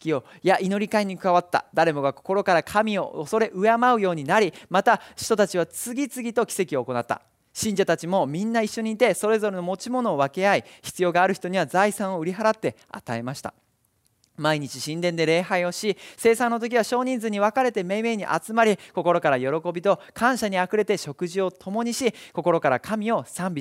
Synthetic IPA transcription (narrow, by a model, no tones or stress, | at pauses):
kʲio̞ | jaʔino̞ɾʲikaiɲ̟ikɯaβat̪ːa̰d̪aɾe̞mo̞ɡako̥ko̞ɾo̞kaɾakʰamʲio̞̰oso̞ɾe̞ʔɯ̟amaɯ̟jo̞ːɲ̟inaɾʲimat̪aɕi̥t̪o̞t̪at͡ɕiβat͡sɨɡʲit͡sɨɡʲit̪o̞kʲi̥se̞kʲio̞ko̞nat̪ːa̰ | ɕĩɲ̟d͡ʑat̪at͡ɕimo̞mʲĩnːaiɕːo̞ɲ̟iːt̪e̞so̞ɾe̞zo̞ɾe̞no̞mo̞t͡ɕimo̞no̞ːβake̞aiçi̥t͡sɨjo̞ːɡaːɾɯ̟çi̥t̪o̞ɲ̟iβ̞azaisãɰ̃o̞ɯ̟ɾʲiɦaɾat̪ːe̞ | a̰t̪ae̞maɕi̥t̪a̰ | maiɲ̟it͡ɕiɕĩnd̪ẽ̞nd̪e̞ɾe̞ːɦaio̞ɕise̞ːsãnːot̪o̞k̬ʲiβ̞aɕo̞ːɲ̟ĩnd͡zɨɲ̟iβakaɾe̞t̪e̞me̞ːme̞ːɲ̟iʔa̰t͡sɨmaɾʲiko̞ko̞ɾo̞kaɾajo̞ɾo̞ko̞bʲit̪o̞kʰãɰ̃ɕaɲ̟iakɯ̟ɾe̞t̪e̞ɕo̞kɯ̟ʑio̞t̪ʰo̞mo̞ɲ̟iɕiko̞ko̞ɾo̞kaɾakʰamʲio̞sãmbʲi